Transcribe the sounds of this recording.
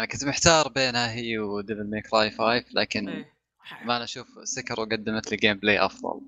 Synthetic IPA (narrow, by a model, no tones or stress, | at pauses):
anakʊnt̪mɪħt̪ɑːɾˤbeːnhaɦijːwd̪ɪbɪlmeːkɾˤɑːjfaːjfla̰ːkɪn | maʔanʔaʃuːfsɪkɑɾˤwɡad̪ːamat̪lɡeːmbleːʔɑ̰fðˤɑ̰l